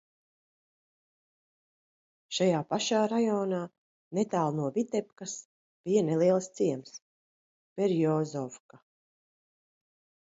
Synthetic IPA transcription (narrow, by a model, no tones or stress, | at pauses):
ʃajaːpaʃaːɾajɔːnaː | net̪aːlˠnuɔvʲit̪ɛp̚kas | b̥ijanelˠiɛlˠst̪siɛms | pɛɾjɔːzɔfka